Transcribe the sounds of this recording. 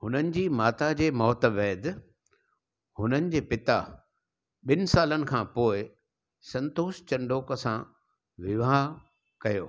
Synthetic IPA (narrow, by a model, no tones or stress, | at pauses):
hʊnənɪ̆d͡ʑiːmaːt̪ad͡ʑeːmɔːt̪ʋɛːd̪ | hʊnənɪ̆d͡ʑeːpɪt̪a | ɓɪnɪ̆saːlənɪ̆kʰãːpoːɪ | sɐ̃nt̪oːst͡ɕɐ̃ɳɖoːkəsã | ʋɪʋaɦ | kɐjo̰ː